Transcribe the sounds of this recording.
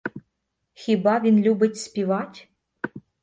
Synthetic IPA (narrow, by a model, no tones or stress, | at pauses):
xʲibavʲinlʲubətʲspʲivatʲ